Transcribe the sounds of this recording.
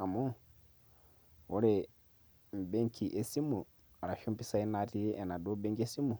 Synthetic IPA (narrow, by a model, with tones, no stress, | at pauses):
a˨mu˦ | o˦ɾe˨ | m˨be˦ŋkʰi˨ʔe˨si˦mu˨ | ɾa˨ʃu˦mpi˦sa˦i˦na˨ti˦ɛ˨na˨do˦be˦ŋkie˦si˦mu˨